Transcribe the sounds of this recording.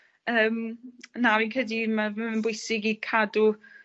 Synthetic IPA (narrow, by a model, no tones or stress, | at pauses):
əːmnavinkʰədimamaənbʊjsɪɡikʰadu